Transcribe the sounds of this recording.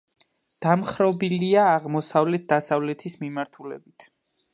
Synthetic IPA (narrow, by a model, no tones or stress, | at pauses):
d̪̥amχɾɔbiliaːʁmɔsavlɛt̪̚d̪asavlɛt̪ʰismimaɾt̪ʰulɛ̰bit̪ʰ